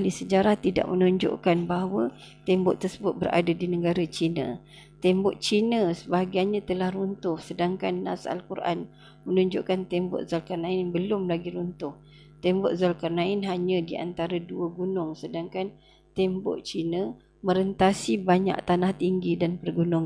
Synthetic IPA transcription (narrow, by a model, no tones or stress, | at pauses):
alisəd͡ʒaɾaht̪ida̰ʔmənuɲd͡ʒʊ̰ʔkanbaɦawat̪ɛmbʊʔt̪ərsəbʊt̪̚bəɾa̰dadinəɡaɾat͡ʃinə̰̃ | t̪ɛmbɔʔt͡ʃinəsəbaɡajɲãt̪əlahrunt̪ʊhsədaŋkanːa̰sa̰lkuɾʔa̰n | mənuɲd͡ʒʊʔkant̪ɛmbʊ̰ʔzalkarnaɪnbəlʊmlaɡiɾunt̪ʊh | t̪ɛmbɔʔzalkarnaɪnɦaɲə̃diʔa̰nt̪aɾaduəɡunʊŋsədaŋkan | t̪ɛmbʊ̰ʔt͡ʃinə | mə̃ɾənt̪asibaɲa̰ʔ̚t̪anaht̪iŋɡidanpərɡunʊŋ